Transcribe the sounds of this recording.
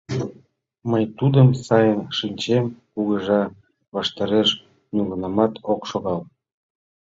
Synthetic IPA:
məjt̪ud̪əmsɑjənʃinʲt͡ɕemkuɣəʒɑ | βɑʃt̪ɑɾeʃ | nulənɑmɑt̪ʰokʃoɣɑl

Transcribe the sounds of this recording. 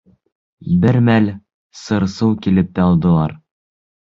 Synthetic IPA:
bɘɾmæl | sɤ̆ɾsɤwkilɘp̚t̪æɑlˠd̪ɤ̆lˠɑ̰ɾ

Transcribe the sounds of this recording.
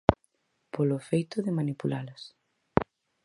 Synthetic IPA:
poloefejt̪ʊðɪmanipulalʊs

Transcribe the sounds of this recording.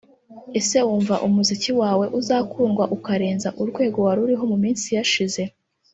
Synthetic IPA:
ese̞wuːɱvaʔumuziciwaːwe̞ʔuzaːkʰuːŋɡwaʔukaɾeːnzaʔuɾɡwe̞ːɡo̞waɾuɾiɦo̞mumiːnsijaʃize̞

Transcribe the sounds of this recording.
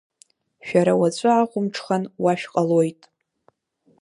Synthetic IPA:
ʃᶣaɾawat͡ɕʷʼʊaqʷʊmʈ͡ʂʰχanwaʃᶣqʼalojtʼ

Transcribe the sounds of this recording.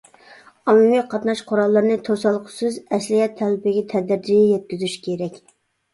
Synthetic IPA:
ɑmumijqʰɑt̪nɑʃqʰʊɾɑlˠːəɾnɨt̪ʰosɑlˠqʰʊ̥sɨzɛsliɦɛt̪ʰːɛlɪpɪɡʲɛt̪ʰɛd̪ɪɾd͡ʒijɛjɛt̪̚kʲyzyʃkʲʰeɾɛkʲ

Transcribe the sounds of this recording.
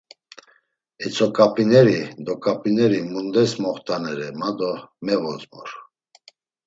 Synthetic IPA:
ɛt͡sʰɔkʼapʼinɛɾid̪ɔkʼapʼinɛɾimund̪ɛsmɔχt̪ʰanɛɾɛmad̪ɔmɛvɔzmɔ̰ɾ

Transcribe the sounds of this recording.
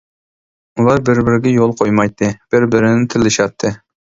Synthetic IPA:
ulˠɑɾbɪɾbɪɾɪɡʲɛjolˠqʰojmɑjt̪ʰːɨb̥ɪɾbɪɾɪnɪt̪ʰɪlːɪʃɑt̪ʰːɨ

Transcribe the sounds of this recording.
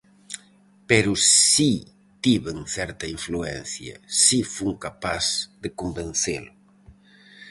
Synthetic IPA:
peɾʊsi | t̪iβeŋθɛɾt̪ɐiɱfluɛ̰n̟θjɐ̰sifuŋkapasðekombenθelʊ

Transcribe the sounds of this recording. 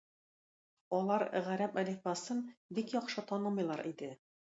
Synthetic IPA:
ɒlˠɑɾʁæɾæpælifbɑsɤnbikjɒqʃɤt̪ɒnɤmɤjlˠɑɾid̪ɘ

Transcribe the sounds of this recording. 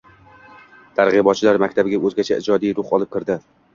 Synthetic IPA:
t̪ʰaɾʁɨbɒt̪̚t͡ʃʰɪlaɾmakʲt̪ʰabɪɡʲaɵzɡʲat͡ʃʰaʔɪd͡ʒɒd̪ijɾʊχɒlˠɪp̚kʲɪɾd̪ɪ

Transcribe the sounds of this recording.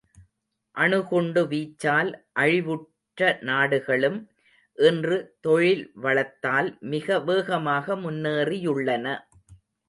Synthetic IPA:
ʔɐɳɯɣɔɳɖɯʋiːt͡ʃːaːlʔɐɻɪʋɯʈ | ɾɐnaːɽɯɣɐɭɯm | ʔɪndrɯt̪ɔɻɪlʋɐɭɐt̪ːaːlmɪɣɐʋeːɣɐmaːɣɐmʊnːeːrɪjɯɭːɐnɐ

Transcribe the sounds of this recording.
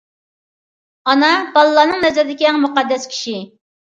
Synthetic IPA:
ɑnɑbɑlˠɨlːˠɑːnɨŋnɛzɛɾd̪ɪkʲiɛŋmuqɑd̪ːɛskʲʰi̥ʃi

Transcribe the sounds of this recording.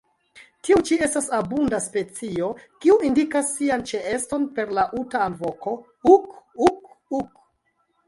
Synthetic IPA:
tiut͡ʃie̞stasabundaspe̞t͡sio̞kiuindikasːiant͡ʃe̞esto̞npe̞ɾlaʔutaːnvo̞ko̞ | ukukuk

